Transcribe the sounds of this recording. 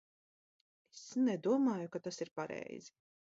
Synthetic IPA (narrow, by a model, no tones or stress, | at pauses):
esnɛd̪uɔmaːjukat̪asiɾpaɾɛ̰jz̥i